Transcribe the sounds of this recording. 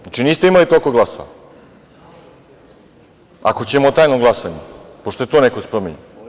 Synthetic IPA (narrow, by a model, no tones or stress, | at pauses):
nat͡ʃiniːst̪eimalit̪okoɡlaso̰ʋa̰ | a̰ko̞t͡ɕemot̪aːjnoɡlˠasaɲepoʃt̪oet̪oːnekospɾomeɲu